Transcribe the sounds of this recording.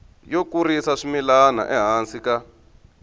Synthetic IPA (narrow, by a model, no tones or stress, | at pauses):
jokurisaʂimilana̰ʔɛɦansika